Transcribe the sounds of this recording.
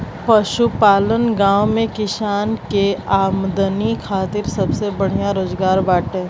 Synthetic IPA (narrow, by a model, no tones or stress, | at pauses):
pɐʃupaːlənɡãːwmẽkɪʃaːnkeaːmd̪ənikʰaːt̪ɪɾsɐbsebəɽ̤ijaɾoːzɡaːɾbaːʈẽː